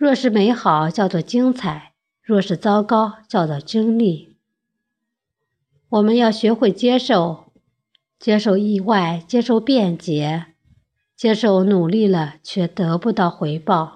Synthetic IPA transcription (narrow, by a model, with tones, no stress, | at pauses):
ɻwɔ˥˩ʂɻ̩˥˩me˧˥ɪxɑ˨˩˦ʊt͡ɕjɑ˥˧ʊt͡swɔ˥˩t͡ɕi˥ŋt͡sʰa˨˩˦ɪ | ɻwɔ˥˧ʂɻ̩˥˩t͡sɑ˥ʊkɑ˥ʊt͡ɕjɑ˥˧ʊt͡swɔ˥˩t͡ɕi˥ŋli˥˩ | wɔ˨˩mə˦njɑ˥˩ʊɕɥɛ˧˥xwe˥˩ɪt͡ɕjɛ˥ʂo˥˩ʊ | t͡ɕjɛ˥ʂo˥˧ʊi˥˧wa˥˩ɪt͡ɕjɛ˥ʂo˥˧ʊpjɛ˥˩nt͡ɕjɛ˧˥ | t͡ɕjɛ˥ʂo˥˩ʊnu˨˩li˥˩lə˩t͡ɕʰɥɛ˥˩t̪ɤ˧˥pu˥˧t̪ɑ˥˩ʊxwe˧˥ɪpɑ˥˩ʊ